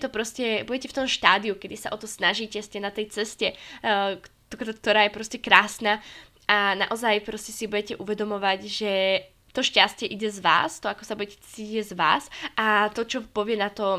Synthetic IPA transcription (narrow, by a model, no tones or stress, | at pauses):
t̪ɔpɾɔscɛbuɟɛcɛft̪ɔmʃt̪aːd̪iukɛd̪isa̰ʔɔt̪ɔsnaʒiːcɛscɛnat̪ɛjt͡sɛscɛk̪kk̚t̪ɔɾaːjɛpɾɔscɛkɾaːsnaː | ana̰ʔɔzajpɾɔscɛsibuɟɛcɛʔuʋɛd̪ɔmɔʋaɟʒɛ | t̪ɔʃcascɪɛʔiɟɛzʋa̰ːst̪ɔakɔsabuɟɛcɛ̥t͡siciczʋa̰ːsʔat̪ɔt͡ʃɔpɔʋɪɛnat̪ɔ